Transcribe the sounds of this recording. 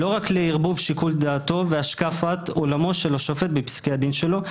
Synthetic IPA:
lo̞ʁakleiʁbuvʃikuld̪aːt̪o̞veaʃkafat̪olamo̞ʃeloʃofet̪̚bepi̥skead̪inʃe̞lo̞

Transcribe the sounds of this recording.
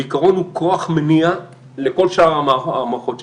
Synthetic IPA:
ikaʁo̞nhukʰoaχmenia | leko̞lʃaaʁamamaχot̪

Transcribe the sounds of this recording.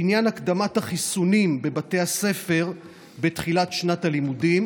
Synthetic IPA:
injanakd̪amathaχisunimbe̞bate̞jase̞fe̞ʁ | be̞tχilatʃnatalimudim

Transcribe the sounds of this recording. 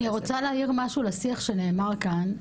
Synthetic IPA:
iʁot͡saleːjiʁmaʃulesiaχʃe̞ne̞ːmaʁkan

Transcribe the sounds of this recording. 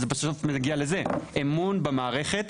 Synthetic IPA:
zebasofmeɡialeze̞ʔemunbemaːʁe̞χe̞t̪

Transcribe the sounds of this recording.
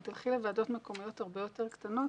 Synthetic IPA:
d̪alχilevaːdo̞t̪meko̞mijo̞thaʁbe̞jo̞te̞ʁkt̪ano̞t

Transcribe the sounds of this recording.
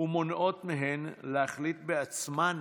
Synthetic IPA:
umonʔo̞t̪meɦenlehaχlit̪̚beat͡sman

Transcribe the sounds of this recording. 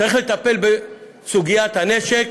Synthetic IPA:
aʁiχlet̪ape̞lbe | suɡijat̪hane̞ʃek

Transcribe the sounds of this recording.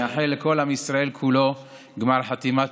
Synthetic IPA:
aħeleko̞lamisɾaelkʰulo | ɡmaʁħat̪ima

